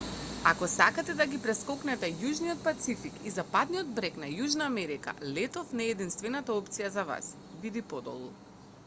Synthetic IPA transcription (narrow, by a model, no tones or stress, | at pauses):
akɔsakat̪ɛd̪aɡipɾɛskɔknɛt̪ɛjuʒniɔt̪̚pat̪sifikizapad̪nijɔd̪̚bɾɛknajuʒnaːmɛɾika̰lɛt̪ɔfnɛɛd̪inst̪vɛnat̪aɔpt̪sijazava̰s | vid̪ipɔd̪ɔ̰lˠṵ